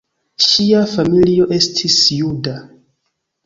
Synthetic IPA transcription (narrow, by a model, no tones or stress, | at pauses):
ʃiafamilio̞ʔe̞stʰisjuda